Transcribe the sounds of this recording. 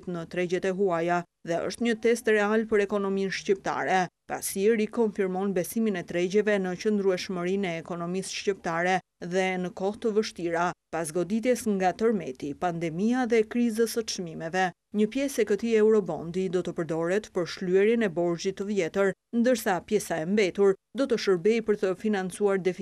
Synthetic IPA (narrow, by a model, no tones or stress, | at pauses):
t̪nət̪ɾɛd͡ʑɛt̪ɛɦuaja | ðɛə̰ʃt̪ɲət̪ɛst̪ɾɛalpəɾɛkɔnɔminʃcip̚t̪a̰ɾɛpa̰siɛɾikɔnfiɾmɔnbɛsiminɛt̪ɾɛɟɛvɛnət͡ɕənd̪ɾuɛʃməɾinɛːkɔnɔmisʃcip̚t̪aɾɛ | ðɛnəkɔht̪əvəʃt̪iɾapasɡɔd̪it̪̬ɛsŋɡat̪əɾmɛt̪ipand̪ɛmiaðɛkɾizəsət͡ʃmimɛvɛ | ɲəpjɛsɛkət̪iɛwɾɔbɔ̰nd̪id̪ɔt̪əpəɾd̪ɔɾɛt̪pəɾʃluɛɾjənɛbɔɾzit̪ːəvjɛt̪əɾnd̪əɾsapjɛsaɛmbɛt̪uɾd̪ɔt̪əʃəɾbɛjpəɾt̪əfinant͡suaɾd̪ɛ